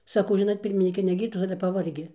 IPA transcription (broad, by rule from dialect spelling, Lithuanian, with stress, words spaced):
sɐˈkɐʊ ˈʒʲɪnoːt ˈpʲɪrʲmʲɪnʲiːkʲɛ nʲɛ ˈɡʲiːrtoːs ˈɑːlʲɛ pɐˈʋɐrʲɡʲɪ